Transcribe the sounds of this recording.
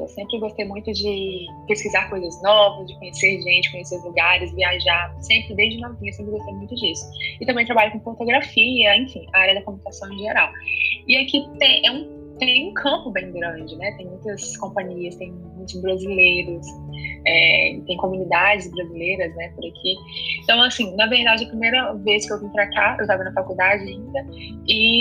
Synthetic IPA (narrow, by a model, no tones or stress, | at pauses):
ḛwsẽmpɾɪɡost̪ejmũj̃t̪ʊd͡ʒɪpeskizaɾkojzɐznɔvɐzd͡ʒɪkõɲeseɾʒẽt͡ʃɪ̥kõɲeseɾʊzluɡaɾɪzviaʒaɾsẽmpɾɪd̪ejzd͡ʒɪʊ̃nõt̪ẽesẽpɾɪɡost̪ejmũj̃t̪ʊd͡ʒisʊ̥ɪt̪ɐ̃mẽt̪ɾabaʎʊkõfoɾt̪oɡɾafiɐẽfĩaaɾjɐd̪ɐkomunikasɐ̃w̃ẽʒeɾawɪakit̪ẽj̃ʔɛũ | t̪ẽj̃ũkʰɐ̃mpʊbẽj̃ɡɾɐ̃d͡ʒɪnɛt̪ẽj̃mũj̃t̪ɐskõmpɐ̃ɲiɐst̪ẽj̃m̃ũj̃t̪ʊzbɾazilejɾʊsɛɪ̰t̪ẽj̃komũnid̪ad͡ʒɪzbɾazilejɾɐznɛpʊɾakʰi | ẽt̪ɐ̃w̃asĩnɐveɾid̪ad͡ʒɪɐpɾimejɾɐveskɪewvĩt̪ɾat̪aḛwt̪avɐnɐfakud̪ad͡ʒɪaĩnd̪ɐ | ɪ